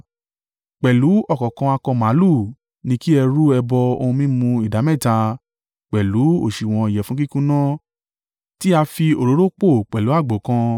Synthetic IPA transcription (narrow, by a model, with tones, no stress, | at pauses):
k͡pɛ˨lu˨˦ɔ˦˨kɔ˨kã˧a˧kɔ̃˧mã˨˦lu˦˨ | nĩ˧ki˦ɛ˧ɾu˦ɛ˧bɔ˧o˧hũ˧mĩ˦mũ˧i˨da˨˦mɛ̃˦˨ta˧ | k͡pɛ˨lu˨˦o̰˦˨ʃi˨w̃ɔ̃˧i˨jɛ˨fũ˨˦ki˦kũ˦nã˦ | ti˦a˧fi˧o˨ɾo˨˦ɾo˦k͡po˦˨k͡pɛ˨lu˨˦a˦˨ɡ͡bo˨kã˧˦